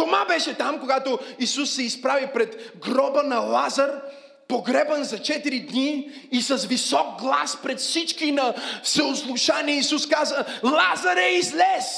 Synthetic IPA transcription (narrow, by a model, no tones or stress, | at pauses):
t̪omabɛʃɛt̪amkoɡat̪oisusːɛispɾavipɾɛt̪ɡɾɔbənɐlˠazəɾ | poɡɾɛbənzɐt͡ʃɛt̪iɾid̪niː | sɐsvisɔk̚ɡlˠaspɾɛt̪fsit͡ʃkinɐsəoslˠuʃaniɛisuskazəlˠazəɾɛizlɛs